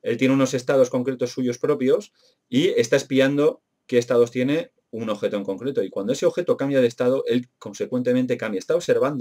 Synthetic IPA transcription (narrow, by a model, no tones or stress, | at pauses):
e̞lt̪jeneuno̞se̞st̪að̞o̞sko̞ŋkɾe̞t̪o̞sːuʝo̞spɾo̞pjo̞s | ie̞st̪ae̞spiand̪o̞ | ke̞ːst̪aðo̞st̪je̞ne̞ | uno̞βxe̞t̪oe̞ŋko̞ŋkɾe̞t̪o̞ikwand̪oe̞seo̞βxe̞t̪o̞kambjað̞e̞st̪aðoʔe̞lko̞nse̞kwent̪ement̪ekambjaest̪aoβse̞ɾβ̞and̪o